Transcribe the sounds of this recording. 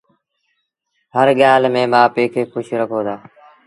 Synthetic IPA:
həɾɠjaːlmẽːɓaːpeːkʰeːkʊʃʰɾəkʰoːd̪aː

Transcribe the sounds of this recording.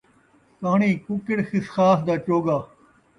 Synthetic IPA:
kaːɳiːkʊkɪɽxɪsxaːsd̪aːt͡ʃoːɡaː

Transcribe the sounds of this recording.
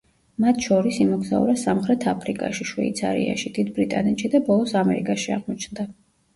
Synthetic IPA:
mat̪ʰʃɔɾisimɔɡzaṵɾasamχɾɛt̪ʰapʰɾikʼa̰ʃiʃvɛ̰it̪sʰa̰ɾḭa̰ʃid̪id̪bɾit̪ʼa̰nɛt̪ʃid̪abɔlˠɔsamɛɾikʼaʃiaʁmɔt͡ʃʰnd̪a

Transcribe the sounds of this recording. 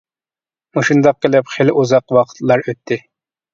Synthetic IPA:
moʃund̪ɑq̚ːelɪpχelɪʔuzɑqwɑqʰə̥t̪lˠɑɾøt̪ʰːɪ

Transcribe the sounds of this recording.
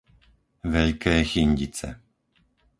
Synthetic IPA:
ʋɛʎkɛːxiɲɟit͡sɛ̰

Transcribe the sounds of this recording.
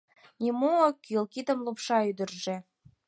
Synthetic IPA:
nʲimuokilkid̪əmlupʃɑyd̪ərʒe

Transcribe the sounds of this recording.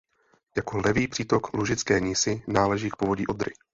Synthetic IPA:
jako̞lɛviːpr̝̥iːt̪o̞kluʒɪt͡skɛːɲiːsɪnaːlɛʒiːk̚povoɟiːʔod̪ɾɪ̰

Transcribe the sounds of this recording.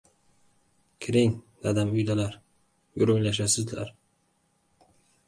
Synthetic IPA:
kʲʰɪɾɪŋd̪ad̪amʊjd̪alaɾ | jʊɾojlaʃ̬asɪzd̪ɪla̰ɾ

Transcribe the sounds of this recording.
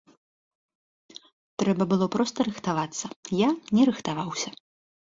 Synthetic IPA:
t̪ɾɛbɐbɨlˠɔpɾɔst̪ɐɾɨxt̪avat̪sːɐjanʲɛɾɨxt̪avawsʲɐ

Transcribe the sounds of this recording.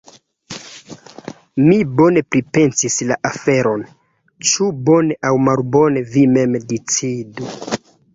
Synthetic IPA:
mibo̞ne̞pɾipe̞nsislaʔafeɾo̞n | t͡ʃubo̞ne̞ʔawmalbo̞ne̞vime̞mdit͡sidu

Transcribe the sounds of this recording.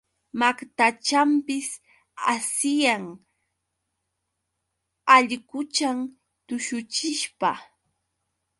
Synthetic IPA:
makt̪at͡ʃampɪs | asɪjaŋ | aʎkʊt͡ʃam | t̪ʊʃʊt͡ʃɪʃpa

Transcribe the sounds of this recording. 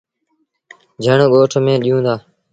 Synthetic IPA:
d͡ʒʱəɳɡoːʈʰmẽːɗijũːd̪aː

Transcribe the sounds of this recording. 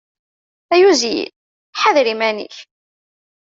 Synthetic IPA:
æjuzijḭl | ħaðɾimænḭç

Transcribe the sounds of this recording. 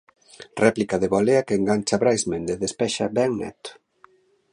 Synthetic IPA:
rʔɛplikaðeβoleakeŋɡant͡ʃaβɾajzmẽnd̪eðespɛʃabɛŋnɛ̰t̪ʊ̥

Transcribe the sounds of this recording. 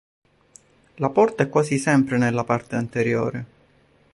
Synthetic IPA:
lapɔrt̪aɛkːwaːzisɛmpɾenelːapart̪eant̪eɾjo̰ːɾe

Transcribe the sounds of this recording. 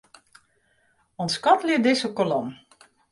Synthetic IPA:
ɔnskɔtlɪədɪsəkɔlɔm

